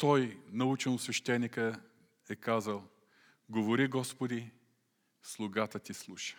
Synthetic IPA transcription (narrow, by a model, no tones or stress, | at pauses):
t̪ɔjnɐut͡ʃɛnˠsvɛʃt̪ɛnikə | ɛkazəlˠ | ɡovoɾiɡɔspod̪i | slˠʊɡat̪ət̪ʲislˠuʃə̥